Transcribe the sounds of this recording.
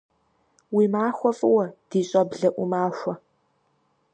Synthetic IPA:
wiːmaːxʷɔfʼɨwɐd̥iːɕʼɐbɮɐʔʷʊmaːʃʷɔ

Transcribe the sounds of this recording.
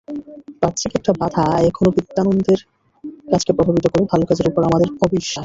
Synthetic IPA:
pat̪ːt͡ɕʰikek̚ʈabad̪ʱʰaekʰonopit̪ːanond̪ʱeɾ | kad͡ʑkepɾobʱabit̪okoɾbebʱalokad͡ʑeɾupoɾamad̪eɾɔbiʃːaʃ

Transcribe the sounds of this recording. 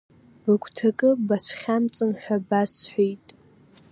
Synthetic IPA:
b̥ɨkʷʰʼtʰakʼɨbasχʲamt͡sʼɨnħʷᶣabasħʷijtʼ

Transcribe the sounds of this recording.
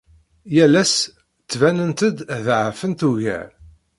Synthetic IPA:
jælæs | t͡sːvænənt̪əd̪ðʕəfənt̪uʝæ̰

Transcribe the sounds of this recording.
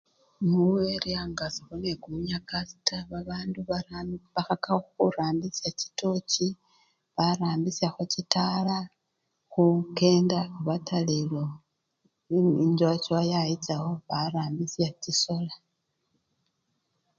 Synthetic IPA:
nuweɾiaŋɡasixonekumuɲakasi̥tʰaβaβaːnduβaxakauxuɾaːmbisaci̥to̞ci | βaɾaːmbisaxocitala | xuke̞ːndakuβatʰalelo | inzwat͡ʃwajajit͡saho̞βaɾaːmbisjaciso̞la

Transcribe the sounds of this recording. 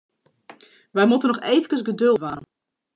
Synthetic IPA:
ʋɛjmutənɔxejvənkəsɡədølˠtʋanən

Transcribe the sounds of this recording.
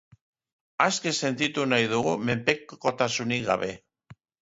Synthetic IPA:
aske̞se̞nt̪it̪unajðuɣume̞mpe̞kko̞t̪asuniɡa̰βe̞

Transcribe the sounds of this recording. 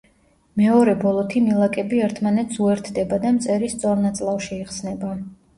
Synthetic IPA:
mɛɔɾɛbɔlˠɔt̪ʰimilˠakʼɛbiɛɾt̪ʰmanɛt̪suɛɾt̪ʰd̪ɛbad̪amt̪sʼɛɾist̪sʼɔɾnat̪sʼlˠafʃiiqsnɛba

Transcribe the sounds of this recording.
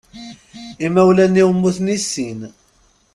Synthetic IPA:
imæwlæniwəmːuθnisːin

